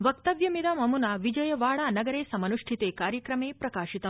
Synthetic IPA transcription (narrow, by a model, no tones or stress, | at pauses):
ʋɐk̚t̪ɐʋjɐmid̪aːmɐmunaʋid͡ʒɐjɐʋaːɭaːnɐɡɐɾeːsɐmɐnuʂʈʰit̪eːkaːɾjɐkɾɐmeːpɾɐkaːʃit̪ɐ